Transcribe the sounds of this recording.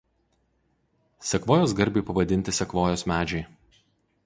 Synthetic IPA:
sʲɛkʋoːjoːsɡɐɾʲbʲeɪpɐʋɐd̪ʲɪnʲt̪ʲɪsʲɛkʋoːjoːsmʲæːd͡ʒʲɛɪ

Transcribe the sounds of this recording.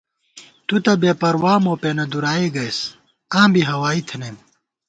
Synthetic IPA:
t̪ut̪ɐbeːpɐɾwaːmoːpeːnɐd̪uɾaːiɡɐjs | ãːmbiɦɐwaːit̪ʰɐnem

